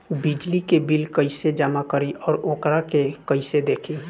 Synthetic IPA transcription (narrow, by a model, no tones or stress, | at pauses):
bɪd͡ʒlikebɪlkəised͡ʒəmakəɾiʔɔːɾoːkɾakekəised̪eːkʰi